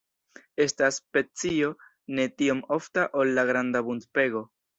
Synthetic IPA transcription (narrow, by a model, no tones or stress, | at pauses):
e̞staspe̞t͡sio̞ | ne̞tio̞mo̞ftaʔolːaɡɾandabuntpe̞ɡo̞